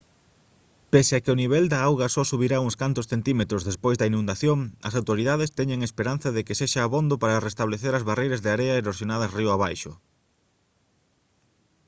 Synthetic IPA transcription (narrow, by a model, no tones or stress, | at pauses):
peseakɪʊniβ̞ɛld̪aawɣɐsɔsuβiɾauŋskant̪ʊsθent̪imet̪ɾozðespojzðɐinũnd̪aθjoŋɐ̰sawt̪oɾiðaðest̪ɛɲeŋespeɾan̟θɐðekeseʃaːβond̪opaɾɐrest̪aβleθeɾɐzβarejɾɐzðeaɾeɐeɾoɾsjonað̞ɐsriʊaβajʃʊ